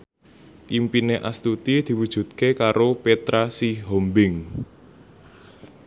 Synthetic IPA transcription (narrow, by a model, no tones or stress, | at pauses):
ʔimpineʔast̪ut̪id̪̥i̤wud̥ʒ̥ṳt̪̚kekaɾopet̪ɾasiɦombɪŋ